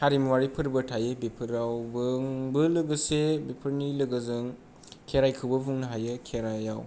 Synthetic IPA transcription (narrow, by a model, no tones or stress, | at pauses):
haɾimɐwaɾipʰɯɾbɐtʰajebepʰɯɾawbɯŋbɯlɯɡɯsebepʰɯɾnilɐɡɯzɯŋ | kʰeɾajkʰɯwbɐbuŋnɐɦajɯkʰeɾajaw